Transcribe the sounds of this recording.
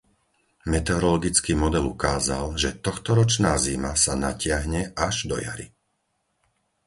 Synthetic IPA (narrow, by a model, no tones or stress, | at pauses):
mɛt̪ɛɔɾɔlɔɡit͡skiːmɔd̪ɛlukaːzalʒɛt̪ɔxt̪ɔɾɔt͡ʃnaːzimasanacɪaɦɲɛʔaʒd̪ɔ̰ja̰ɾḭ